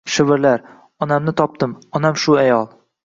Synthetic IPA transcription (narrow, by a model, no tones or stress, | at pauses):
ʃɪvɪɾlaɾ | ɒnamnɪt̪ʰɒp̚t̪ɪmɒnamʃuajɒlˠ